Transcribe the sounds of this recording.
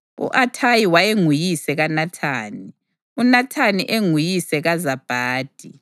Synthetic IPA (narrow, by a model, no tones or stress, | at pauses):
ṵʔatʰajiwajeŋujisɛɣanatʰaːni | unatʰaniʔeŋujisɛɣazab̥ʱaːd̥ʱi